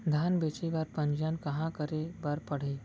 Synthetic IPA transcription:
d̪ʱaːnbeːt͡ʃeʋaːɾpɐ̃ɲd͡ʒankɐɦãkəɾebaɾpɐɽ̤e

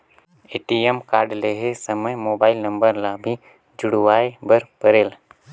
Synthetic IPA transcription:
eːʈiemkaːɾɖleɦesəməjmoːbaːɪlnə̃mbəɾlabʱi | d͡ʒʊɽuwaːebəɾpəɾeːl

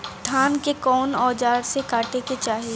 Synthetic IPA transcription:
t̪ʰaːnkekɔːnɔːd͡ʒaːɾsekaːʈeket͡ʃaːɦie

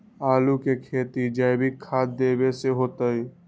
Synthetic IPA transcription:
aːlukekʰeːt̪id͡ʒaɪbʱikʰaːd̪̚d̪eːbeseɦoːt̪əi

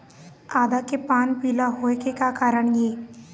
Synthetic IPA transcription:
aːd̪akepaːnpiːlaɦoːekekakaːɾəɳ̃jeː

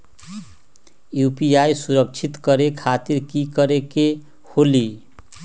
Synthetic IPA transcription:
jupiajsuɾʌk̚t͡sʰit̪kʌɾekʰat̪iɾkikʌɾeke | holi

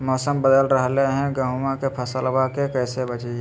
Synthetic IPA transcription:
mɔːsəmbəd̪əlɾəɦleɦɛ̃ɡɐ̃ɦumãkepʰɐsəlbaːkekɛːsebət͡ʃee

